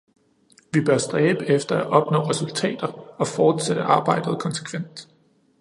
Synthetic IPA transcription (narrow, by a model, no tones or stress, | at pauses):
ʋib̥ɶɐsd̥ʁɛːb̥əefd̥ɐæʔɒ̽b̥nɔ̰̽ːʁɛsult͡sʰɛ̰ːd̥ɐɒ̽fɒːd̥sed̥əʔɑ̈ːb̥ɑ̈ɪ̰d̥ð̞̩ˠkʰɒ̽nse̥kʰʋen̰d̥